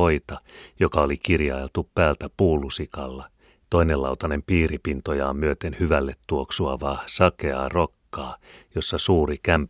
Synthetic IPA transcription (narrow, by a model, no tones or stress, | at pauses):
oit̪ɑjokɑolikirjɑ̰elt̪uppæːlt̪æpuːlːusikɑlːɑ | t̪o̞inelɑ̰ut̪ɑnempiːripint̪ojɑːmmyøt̪enhyʋælːet̪tuoksuɑʋɑːsɑkeɑ̰ːrokːɑːjosːɑsuːrikæmp